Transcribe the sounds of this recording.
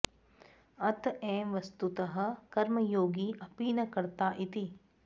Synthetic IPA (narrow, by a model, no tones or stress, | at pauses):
ɐt̪ɛ̃ːʋɐst̪ut̪ɐɦɐ̆kɐɾmɐjoːɡiʔɐpiːnɐkɐɾt̪aːʔit̪i